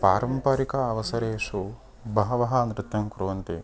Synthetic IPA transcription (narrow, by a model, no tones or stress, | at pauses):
paːɾɐmpaːɾikɐːʋɐsɐɾeːʂu | bʱɐːɐʋɐɦɐɐnɾɪt̪jɐmkɾuʋɐnt̪i